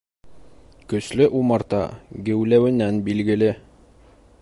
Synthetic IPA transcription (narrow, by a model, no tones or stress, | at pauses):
kɵ̆slɵʔumɑɾt̪ɑ̰ɡɘ̆wlæwɘ̆nænbilɡɘ̆lɘ